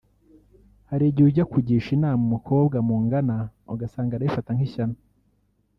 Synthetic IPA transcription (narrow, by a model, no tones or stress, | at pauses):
haɾiɟiuɟakuɟiʃinaːmumukʰo̞ːbɡamuːŋɡanaoɡasaːŋɡaɾaifataŋhiʃana